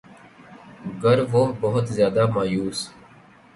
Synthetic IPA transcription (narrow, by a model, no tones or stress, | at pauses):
ɡəɾʋoɦbɐɦʊt̪zjaːd̪aːmaːjuːs